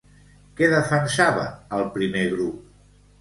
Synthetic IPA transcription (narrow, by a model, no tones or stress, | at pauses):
kɛðəfənsaβəːlˠpɾimeɣɾup̚